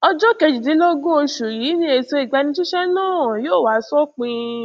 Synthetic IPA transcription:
ɔ˧d͡ʒɔ˦ke˧d͡ʒi˨de˨˦lɔ˦ɡo˦o˧ʃu˨ji˨˦nĩ˦e˧˨so˧i˨ɡ͡ba˧nĩ˧ti˦ʃɛ˦nãː˦˨joː˦˨wa˨˦sɔ˦k͡pĩ˧

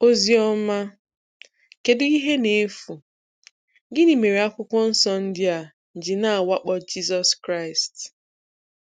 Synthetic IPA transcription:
o˦zi˦ɔ˦ma˦ | ke˨dʊ˦i˦ɦe˦ne˨e˦fu˨ | ɡɪ˦ni˨me˨ɾe˨a˦kʷʊ˦kʷɔ˦n̩˦sɔ˦n̩˦dɪ˦a˨ | n̩˨d͡ʒɪ˨na˦˨a˨wa˦k͡pɔ˦d͡ʒi˦sɔ˦skɾa˦ɪ˨st

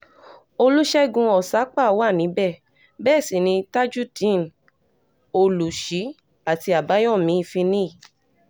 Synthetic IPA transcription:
o˧lu˦ʃɛ˦ɡũ˧ɔ˨sa˨˦k͡pa˦˨˦wa˦˨nĩ˨˦bɛ˦˨ | bɛː˦˨si˨nĩ˧ta˦d͡ʒu˦tĩ˦˨n˨ | o˧˨lu˨ʃi˨˦ | a˨ti˧a˨ba˨˦jɔ̃˦˨mĩ˨˦i˦˨fĩ˧nĩ˦˨

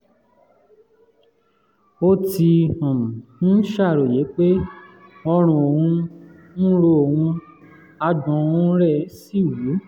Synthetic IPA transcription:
o˧ti˧ɔ̃˨m̩̃˨˦ʃa˦˨ɾo˨je˨˦k͡pe˦ | ɔ˧ɾ̃ũ˧o˨hũ˧ | ñ̩˦ɾo˧o˨wũ˧ | a˧dɔ̃˨˧ũ˧˦ɾɛ˦˨˦si˦˨wu˨˦

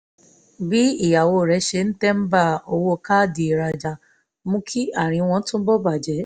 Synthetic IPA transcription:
bi˦i˦˨ja˨wo˧˨ɾɛ˨˧˦ʃe˧˦ñ̩˦tɛ˦m̩˦ba˦˨o˧wo˦˨ka˦˨di˨i˨ɾa˧d͡ʒa˧ | mũ˦kʰi˦a˦˨ɾ̃ĩ˧w̃ɔ̃˧˦tũ˦bɔ˦ba˦˨d͡ʒɛ˨˦

